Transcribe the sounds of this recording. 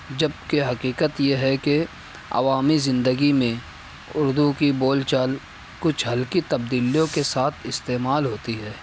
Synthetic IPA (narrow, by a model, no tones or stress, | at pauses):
d͡ʒɐb̚keɦɐqiːkət̪jeɦɛke | ɐ̰ʋaːmizɪ̃nd̪əɡimẽ | ʊɾd̪ukiboːlt͡ʃaːl | kʊt͡ʃʰɦɐlkit̪ɐb̚d̪iːlijõkesaːt̪ʰɪst̪eːmaːlɦoːt̪iɦɛː